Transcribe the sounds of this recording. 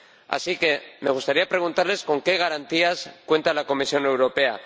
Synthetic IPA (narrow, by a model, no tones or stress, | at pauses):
a̰sike̞me̞ɣ̞ust̪aɾiapɾe̞ɣ̞unt̪aɾle̞sko̞ŋke̞ɣ̞aɾant̪iaskwe̞nt̪alako̞misjo̞ne̞wɾo̞pe̞a̰